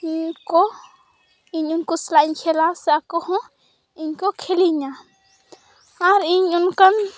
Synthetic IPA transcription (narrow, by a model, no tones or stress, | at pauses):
iɲkɔ | iɲunkɔslaiɲkʰɛlasɛakɔhɔ̃ | iɲkɔkʰɛliɲa | aɾiɲunkan